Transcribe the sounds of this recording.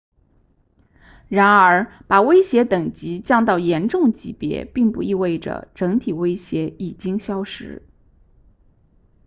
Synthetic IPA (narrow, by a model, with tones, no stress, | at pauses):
ɻa˧˥nə˞˧˥pa˨˩we˥ɪɕjɛ˧˥t̪ɤ˨˩ŋt͡ɕi˧˥t͡ɕjɑ˥˧ŋt̪ɑ˥˩ʊjɛ˧˥nʈ͡ʂʊ˥˩ŋt͡ɕi˧˥pjɛ̰˧˥pi˥˧ŋpu˥˧i˥˧we˥˩ɪʈ͡ʂə̰˩ʈ͡ʂɤ˧˥ŋt̪ʰi˨˩we˥ɪɕjɛ˧˥i˨˩t͡ɕi˥ŋɕjɑ˥ʊʂɻ̩̰˧˥